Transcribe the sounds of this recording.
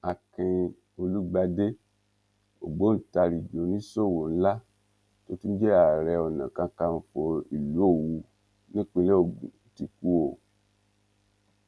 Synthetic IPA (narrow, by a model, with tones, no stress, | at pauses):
a˨kĩ˧ | o˧lu˦ɡ͡ba˧de˦ | o̰˨ɡ͡bo˨˦n̩˨ta˧ɾi˨d͡ʒo˨˦nĩ˦so˦˨wo˨n̩˦la˦ | to˦tu˦n̩˦d͡ʒɛ˦a˦˨ɾɛ˧ɔ˨nã̰˨kã˧ka˧m̩˧˨fo˧i˨lu˨˦o˦˨wu˧ | nĩ˦k͡pĩ˧le˦o˦˨ɡṵ̃˨˦ti˧ku˦o˦˨